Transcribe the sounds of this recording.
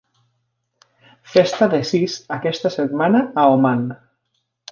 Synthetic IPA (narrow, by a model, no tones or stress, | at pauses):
fest̪aðesisakɛst̪aset̪manaːoman